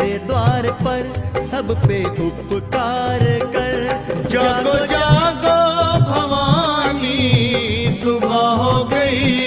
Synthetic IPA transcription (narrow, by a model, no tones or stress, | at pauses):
ed̪ʋaːɾpɐɾsɐbpeʊpkaːɾkɐɾd͡ʒaɡod͡ʒaɡobʱɐʋani | sʊbʱaɦoɡɐi